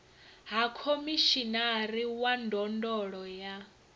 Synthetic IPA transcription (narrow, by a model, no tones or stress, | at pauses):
ɦakʰomiʃinaɾiwandɔndɔɺɔja